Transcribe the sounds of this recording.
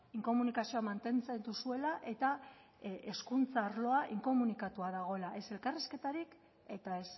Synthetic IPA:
iŋko̞munikasio̞amant̪e̞nt͡send̪usue̞laʔe̞t̪a | e̞skunt͡saːɾlo̞aʔiŋko̞munikat̪uaðaɣ̞o̞elaʔe̞se̞lkariske̞t̪aɾik | e̞t̪aes

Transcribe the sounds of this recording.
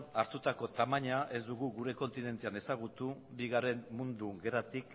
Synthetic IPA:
naɾt̪ut̪ako̞t̪amaɲaʔe̞zd̪uɣ̞uɣuɾe̞ko̞nt̪ine̞nt̪eane̞saɣ̞ut̪ubiɣaɾe̞nmːund̪uɡe̞ɾat̪ik

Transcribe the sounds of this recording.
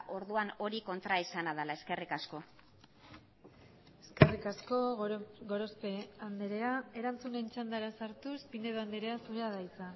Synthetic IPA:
ʔo̞ɾðuano̞ɾiko̞nt̪ɾaesanaðalae̞ske̞rikasko̞ | e̞ske̞rikasko̞ɡo̞ɾospe̞and̪eɾe̞ae̞ɾant͡sunent͡ʃand̪aɾasaɾt̪uspineðoand̪eɾe̞asuɾeaðajt͡sa

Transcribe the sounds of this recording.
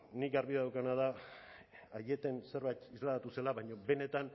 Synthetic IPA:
nikɡaɾβiðaðawkanað̞a | aje̞t̪ense̞ɾβajt̪izlaðat̪use̞laβajɲo̞be̞ne̞t̪an

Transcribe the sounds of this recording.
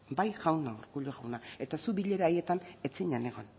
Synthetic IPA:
bajɣawnauɾkuʎoɣawnae̞t̪asuβiʎe̞ɾaːje̞t̪ane̞t͡siɲane̞ɣ̞o̞n

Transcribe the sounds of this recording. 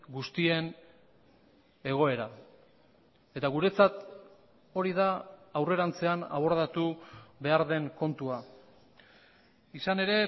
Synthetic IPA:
ɡust̪ie̞n | e̞ɣ̞o̞e̞ɾa | e̞t̪aɣ̞uɾe̞t͡sat̪ | o̞ɾiðaːwre̞ɾant͡se̞ana̰βo̞ɾðat̪uβe̞aɾðe̞ŋko̞nt̪ua | isane̞ɾe̞

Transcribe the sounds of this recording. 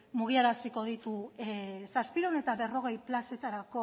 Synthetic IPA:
muɣ̞iaɾasiko̞ðit̪u | saspiɾone̞t̪aβe̞ro̞ɣ̞e̞jplase̞t̪aɾako̞

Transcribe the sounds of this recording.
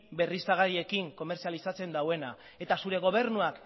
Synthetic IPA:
be̞risaɣaɾie̞kiŋko̞me̞ɾt͡sialisat͡se̞nd̪awe̞na | e̞t̪asuɾe̞ɣ̞o̞β̞e̞ɾnuak

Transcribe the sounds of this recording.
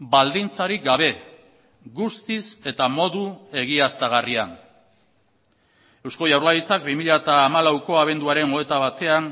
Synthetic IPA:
bald̪int͡saɾik̚ɡaβ̞e̞ | ɣust̪ise̞t̪amo̞ðue̞ɣ̞iast̪aɣ̞arian | e̞wsko̞jawɾlaɣit͡sak̚bimiʎat̪aːmalawko̞aβ̞e̞nd̪uaɾe̞no̞e̞t̪aβ̞at̪e̞an

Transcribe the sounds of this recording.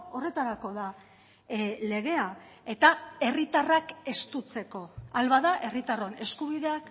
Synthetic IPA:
o̞re̞t̪aɾako̞ða | le̞ɣ̞e̞ae̞t̪ae̞rit̪arake̞st̪ut͡se̞ko̞alβaðaʔe̞rit̪aro̞ne̞skuβ̞iðe̞ak

